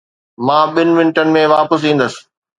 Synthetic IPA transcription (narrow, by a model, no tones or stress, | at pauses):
mãːɓɪnɪ̆ʋɪ̃nɪʈənɪ̆mẽʋaːpəs̬ĩːn̆d̪əsɪ̥